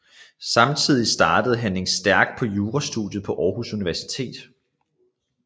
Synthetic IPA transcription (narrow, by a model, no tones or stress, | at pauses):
sɑ̈mt͡sʰið̞̰ˠisd̥ɑ̈ːd̥əð̞̩ˠɦæne̝nsd̥æɐɡ̥d̥̚pʰɒ̽juːʁɑsd̥uðˠjəð̞̩ˠpʰɒ̽ʔɒːhusuniʋæɐsi̥t͡sʰe̝̰ːd̥